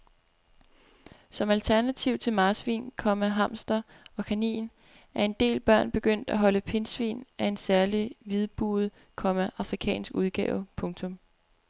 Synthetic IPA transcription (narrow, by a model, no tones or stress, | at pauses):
sɒ̽mælt͡sʰæɐnæt͡sʰiʊ̰t͡sʰe̝lmɑ̈ːsʋḭːnkʰɒ̽mæɦɑ̈m̰sd̥ɐ | ɒ̽kʰænḭːn | æɐe̝nd̥e̝̰ːlb̥ɶɐ̰nb̥e̝ɡ̥øn̰d̥æɦɒ̽ləpʰe̝nsʋḭːnæe̝nsæɐliʋið̞ˠb̥ṵːð̩ˠ | kʰɒ̽mæʔɑ̈fʁikʰɛ̰ːnsɡ̥uð̞ˠɡ̥ɛːʊpʰɔ̽ŋt͡sʰɔ̽m